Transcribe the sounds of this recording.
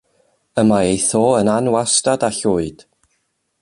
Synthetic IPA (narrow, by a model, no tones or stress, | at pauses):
əmaejθoːənanwastadaɬʊːɨd̥